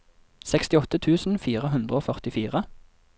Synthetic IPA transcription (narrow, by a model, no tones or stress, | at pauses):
sɛkst̪ɪɔt̪ət̪ʰʉːsn̩fiːʁəɦʉnd̪ʁəoːfœʁt̪ɪfiːʁə